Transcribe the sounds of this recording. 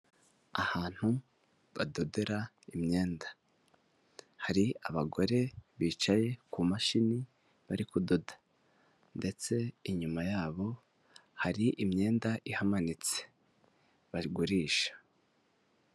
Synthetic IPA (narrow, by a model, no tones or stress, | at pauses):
ahaːn̥hu | βado̞deɾa | imɲe̞ːndḁ | haɾia̰βaɡo̞ɾe̞βiːt͡ʃaje̞kumaʃini | βaɾikudo̞dḁ | nde̞t͡se̞iɲumajaːβo̞ | haɾiʔimɲe̞ːndaʔihamanit͡se̞̥ | βaɡuɾiːʃḁ